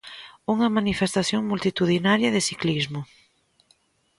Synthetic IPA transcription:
uŋɐmanifest̪aθjoŋmult̪it̪uðinaɾjɐðɪsiklizmʊ

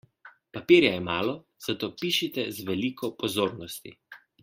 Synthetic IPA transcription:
papiːɾjajɛmaːlɔ | z̥at̪oːpiːʃit̪ɛzʋɛliːkʰɔpɔzoːɾnɔst̪ḭ

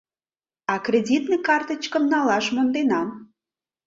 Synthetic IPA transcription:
ɑkrʲedʲit̪nekɑrt̪ə̆t͡ɕkə̆mnɑlɑʒmond̪enɑm

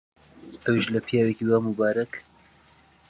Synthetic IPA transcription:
ɐwiʃlɐpʰjaːwekiwaːmubaːɾɐk

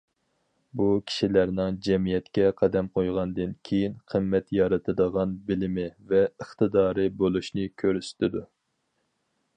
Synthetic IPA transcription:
bukʲʰi̥ʃilæɾnɪŋd͡ʒɛmijɛt̪kʲɛqʰɑd̪ɛmqʰojʁɑnd̪ɨnkʲʰejinqʰəmːɛt̪jɑɾɨt̪ʰɨd̪əʁɑnbɪlɪmɪvɛəχt̪ɨd̪ɑːɾɨbolˠuʃnɨkʲʰøɾyst̪ʰɪd̪u

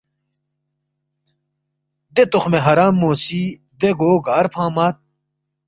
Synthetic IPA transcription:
d̪et̪uχmeɦɐɾaːmːoːsiː | d̪eɡoːɡaːɾpʰãːmaːt̪̚

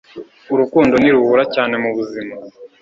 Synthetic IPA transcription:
uɾukuːndo̞niɾuhuɾacaːne̞muβuzima

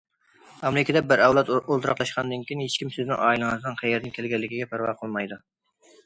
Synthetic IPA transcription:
ɑmɾɪkʲɛd̪ɛbɪɾɛwlˠɑt̪olˠt̪ɨɾɑqlˠɑʃqɑnd̪ɨnkʲijnhet͡ʃkʲimsɪznɪ̰ŋʔɑːilˠɨŋɨznɨnχæjɛɾnɪkʲʰelɡʲɛlːɪkʲiɡʲɛpʰæɾwɑ̰ːqʰəlˠmɑjd̪u

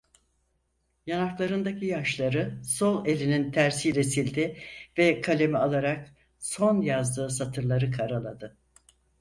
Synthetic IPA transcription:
janaklˠaɾɯnd̪acʰijaʃlˠaɾɯso̞lˠe̞lʲinint̪ʰæɾsilʲesilʲd̪ɪvɛkʰalʲe̞mialˠaɾak | so̞njazd̪ɯːsat̪ʰɯɾlˠaɾɯkʰaɾalˠad̪ɯ

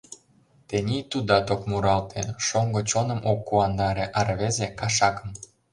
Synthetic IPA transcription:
t̪enʲit̪ud̪ɑt̪okmuɾɑlt̪eʃoŋɡot͡ɕonə̆mʔokːuɑnd̪ɑɾeʔɑɾβezekɑʃɑkə̆m

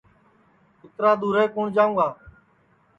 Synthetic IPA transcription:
ɪt̪ɾaːd̪uːɾeːkoːɳd͡ʒaːũːaː

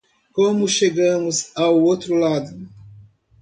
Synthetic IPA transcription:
kõmʊʃeɡɐ̃mʊzawot̪ɾulad̪ʊ

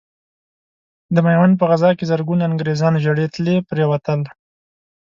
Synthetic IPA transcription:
d̪əmajwanp̬əɣazɑkezaɾɡunaŋɡɾezɑnʒaɽet̪lepɾewat̪əl

